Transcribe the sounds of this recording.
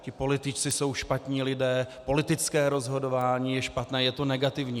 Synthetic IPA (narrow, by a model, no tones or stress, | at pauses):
cɪpo̞lɪt̪ɪt͡ʃt͡sɪso̞wʃpat̪ɲiːlɪdɛːpo̞lɪt̪ɪt͡skɛːɾo̞zɦo̞do̞vaːɲiːjɛʃpat̪nɛːjɛt̪o̞nɛɡat̪ɪvɲiː